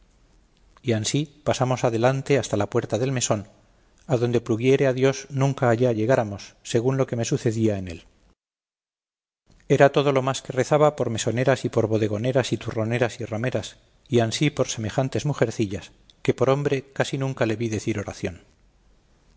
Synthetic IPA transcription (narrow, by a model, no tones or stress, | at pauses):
iansipasamo̞saðelant̪e̞ast̪alapwe̞ɾt̪aðe̞lme̞so̞n | aðo̞nd̪e̞pluɣje̞ɾe̞aðjo̞znũŋkaːʎaːʎe̞ɣ̞aɾamo̞sːe̞ɣ̞unlo̞ke̞me̞suθe̞ðiae̞ne̞̰l | e̞ɾat̪o̞ð̞o̞lo̞maske̞re̞θaβapo̞ɾme̞so̞ne̞ɾasipo̞ɾβo̞ð̞e̞ɣ̞o̞ne̞ɾasit̪uro̞ne̞ɾasirame̞ɾas | iansipo̞ɾse̞me̞xant̪e̞zmuxe̞ɾθiʎas | ke̞po̞ɾo̞mbɾe̞kasinũŋkale̞βiðe̞θiɾo̞ɾa̰θjo̞n